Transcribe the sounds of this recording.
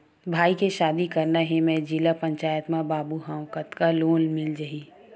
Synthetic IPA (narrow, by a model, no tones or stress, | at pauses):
bʱaːikeʃaːd̪ikɐɾnaɦɛmɛ̃d͡ʒilapɐ̃ɲt͡ʃaːjət̪mãbaːbuɦãkət̪kaloːnmɪld͡ʒɐɦi